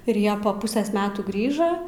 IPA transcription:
ɪr ˈjiɛ pɐ ˈpʊsʲeːs ˈmʲæːtuː ˈɡrʲiːʒɐ

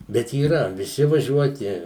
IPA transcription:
bʲɛt iːˈrɐ ʋʲɪˈsʲɪ ʋɐˈʒʲuɔtʲɪ

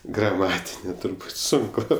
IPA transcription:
ɡrɐˈmɑːtʲɪnʲeː tʊrˈbuːt ˈsʊŋkʊ

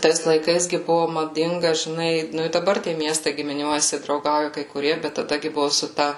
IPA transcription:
ˈtɐɪs lˠɐɪˈkɐɪs ɡʲɪ ˈbʊʋʊ mɐˈdʲɪŋɡɐ ʒʲɪˈnɐɪ ˈnʊ ɪ dɐˈbɐr tʲiɛ ˈmʲiɛstɐɪ ɡʲɪmʲɪˈnʲuɔjɛsʲɪ drɐʊˈɡɐʊjɛ kɐɪ kʊˈrʲiɛ bʲɛt tɐˈdɐ ɡʲɪ ˈbʊʋʊ sʊ ˈtɐ

